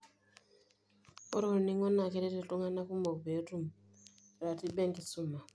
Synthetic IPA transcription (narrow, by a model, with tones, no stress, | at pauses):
o˦ɾo˦˨ni˦ŋɔ˦na˨ke˦ɾe˦ti˨tu˦ŋa˦na˦ku˦mo˨be˨˦tu˦m | ɾa˨ti˦ɓe˦ŋɡi˨su˦˨ma˨